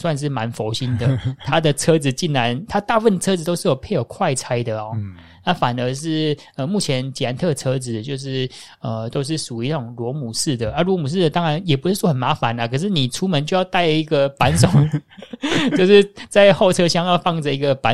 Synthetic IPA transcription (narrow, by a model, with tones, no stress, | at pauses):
swa˥˧nʂ̬ɻ̩˥˩ma˧˦nfo˧˥ʊɕi˦˥nd̪ə˨t̪ʰa˥d̪ə˨t͡sʰɤ˥t͡sɹ̩˨t͡ɕi˥˩nɻa˧˦nt̪ʰa˥t̪a˥˧fə˥˩nd̪ə˩t͡sʰɤ˥t͡sd͡zɹ̩˨˩t̪o˥ʊʂɻ̩˥˩jo˨˩ʊpʰe˥ɪjo˨˩ʊkʰwa˥˩ɪt͡sʰa˥ɪd̪ə˨ɔ˨˩ | na˥˩fa˨˩nə˧˦˥ʂ̬ɻ̩˥˩ | ə˧mu˥˩t͡ɕʰjɛ˧˦nt͡ɕi˨˩a˧˥nt̪ʰɤ˥˧˩t͡sʰɤ˥d͡zɹ̩˨˩t͡ɕjo˥˧ʊʂ̬ɻ̩˥˩ | ə˨˩t̪o˥ʊʂ̬ɻ̩˥˩ʂu˨˩i˧˥˩ʈ͡ʂo˨˩ŋlwɔ˧˥mu˨˩ʂɻ̩˥˩d̪ə˩ʔa˥lwɔ˧˥mu˨˩ʂ̬ɻ̩˥˩d̪ə˩t̪ɑ˥ŋɻa˧˦njɛ˨˩pu˧˥ʂɻ̩˥˩swɔ˥xə˨nma˧˥fa˨˦na˦kʰɤ˨˩ʂ̬ɻ̩˥˩ni˨˩ʈ͡ʂʰu˥mə˧˦nt͡ɕjo˥˧ʊjɑ˥˧ʊt̪a˥˩ɪ˧˩i˧˥ɡə˨pa˧˥nso˨˩˦ŋ | t͡ɕjo˥˧ʊʂɻ̩˥˧t͡sa˥˧ɪxo˥˩ʊʈ͡ʂʰɤ˥ɕjɑ˥ŋjɑ˥˧ʊfɑ˥˩ŋd͡zə˩i˧˥ɡə˨˩pa˨˧˦